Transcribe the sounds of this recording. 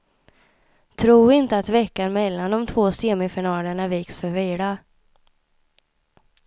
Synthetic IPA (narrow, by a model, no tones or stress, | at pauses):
t̪ʰɾuːɪnt̪əat̪vɛkːanmɛlːand̪ɔmt̪ʰvoːseːmɪfɪɳɑːləɳaviːksfœɾviːɖa